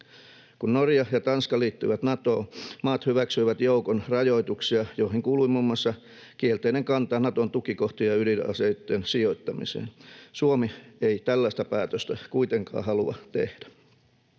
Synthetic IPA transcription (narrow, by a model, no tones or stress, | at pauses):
kunnorjɑjɑt̪ɑnskɑliːt̪ːyiʋæt̪nɑt̪oːmɑːt̪hyʋæksyiʋæt̪joukonrɑjoit̪uksiɑjoihiŋkuːluimumːuɑsːɑ | kielt̪eineŋkɑnt̪ɑːnnɑt̪ont̪ukikoht̪ijɑylinɑ̰seit̪ːensioit̪ːɑmḭsḛːnsuomieit̪ælːæist̪æpæːt̪øst̪ækuit̪eŋkɑ̰ːhɑluɑ̰t̪ehd̥æ̥